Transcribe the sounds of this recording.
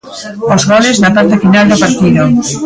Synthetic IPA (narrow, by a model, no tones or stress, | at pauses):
ozɣɔleznɐpaɾt̪ɐfinald̪opaɾt̪iðʊ